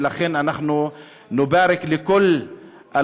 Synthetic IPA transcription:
laχenanaχnu | nubaɾeklekol | ʔa

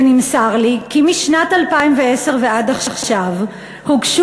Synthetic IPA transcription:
nimsaʁlikimiʃnatalpaimveese̞ʁve̞adaχaχʃav | huɡʃ

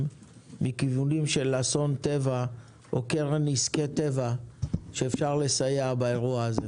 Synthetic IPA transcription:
m | mikivunimʃe̞lːaso̞nt̪e̞va | okeʁniske̞t̪e̞vaʃe̞ːfʃaʁle̞sajeabae̞ʁuaːze

